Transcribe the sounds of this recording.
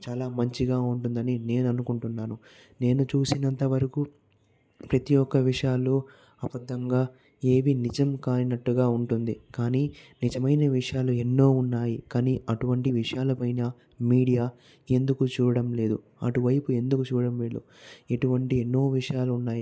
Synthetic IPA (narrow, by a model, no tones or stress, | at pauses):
t͡ʃaːlaːmɐɲt͡ʃiɡaːuɳʈund̪ɐnine̞ːnɐnukuɳʈunːaːnu | ne̞ːnut͡ʃuːsinɐnt̪ɐʋɐɾɐku | pɾɐt̪ijɔkːɐʋiʂɐjaːlːoː | ɐbɐd̪ːɐŋɡaː | e̞ːʋinid͡ʒɐmkaːjinɐʈːuɡaːuɳʈund̪ikaːniːnid͡ʒɐmɐjnɐʋiʂɐjaːlue̞nːo̞ːunːaːjikaːniːɐʈuʋɐɳʈiʋiʂɐjaːlɐpɐjnɐ | miːɽijaː | e̞nd̪ukut͡ʃuːɾɐɽɐmle̞ːd̪ṵ | ɐ̰ʈuʋɐjpue̞nd̪ukut͡ʃuːɐɽɐmʋiːɭːṵ | e̞ʈuʋɐɳʈie̞nːo̞ːʋiʂɐjaːluːnːaːji